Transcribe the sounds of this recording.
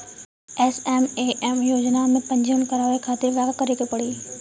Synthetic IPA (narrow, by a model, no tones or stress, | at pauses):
ɛːsɛːmeːʔɛːmjoːd͡ʑnamẽpɐ̃ɲd͡ʑənkɐɾaːʋekʰaːt̪eʋɐkkɐɾekʰepɐɽiː